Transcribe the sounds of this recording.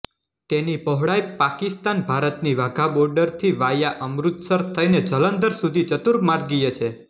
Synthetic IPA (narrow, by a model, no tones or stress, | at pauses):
t̪enipəɦɽajpakist̪anbʱaɾət̪niʋaɡʱabɔɾɖəɾt̪ʰiʋajaʔəmɾut̪səɾt̪ʰəjned͡ʒələnd̪əɾsud̪ʱit͡ʃət̪uɾmaɾɡijet͡ʃʰe